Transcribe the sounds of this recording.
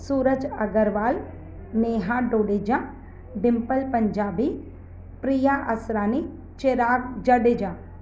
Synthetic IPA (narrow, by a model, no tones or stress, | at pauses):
suːɾəd͡ʒɐɡəɾʋaːl | meːɦãɖoːɖed͡ʒã | ɖɪmpəlpəɲd͡ʒaːbi | pɾijaʔɐsɾaːni | t͡ʃeɾaːɡd͡ʒəɖed͡ʒãː